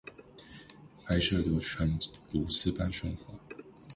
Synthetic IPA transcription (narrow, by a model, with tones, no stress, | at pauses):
pʰa˧˥ɪʂɤ˥˩ljo˧˥ʊʈ͡ʂʰə˧˥nlu˧˥sɹ̩˥˧pa˥nɕʊ˥˩ŋxwa˧˦